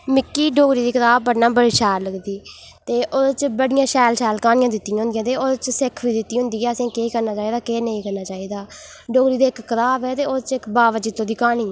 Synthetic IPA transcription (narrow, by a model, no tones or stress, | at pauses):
mɪkːiːɖoːɡɾiːd̪iːkəɾaːbpəɽnãːbəɽiːʃɛːɾləɡd̪iː | t̪eːʔoːt͡ʃbəɽɪjãːʃɛːlʃɛːlkaːnɪjãːd̪ɪt̪ːiːɦʊ̃nd̪ɪjãːt̪eːoːt͡ʃsɪkʰʋiːd̪ɪt̪ːiːɦʊ̃nd̪iːɛːsẽːkeːkəɾnaːt͡ʃaːiːd̪aːkeːnəĩːkəɾnaːt͡ʃaːiːd̪aː | ɖoːɡɾiːd̪eːɪkːəɾaːpɛːt̪eːoːt͡ʃɪkbaːʋət͡ʃɪt̪ːõːd̪iːkaːniː